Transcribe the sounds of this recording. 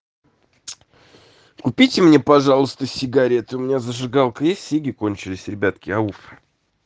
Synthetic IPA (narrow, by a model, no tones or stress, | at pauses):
kʊpʲitʲɪmnʲe̞pɐʐɑlˠəst̪əsʲɪɡɐɾʲet̪ɨʊmʲɪnʲazəʐɨɡalˠkəjeiɡʲɪkonʲt͡ɕɪlʲɪsʲɾʲɪbʲat̪kʲɪɐuf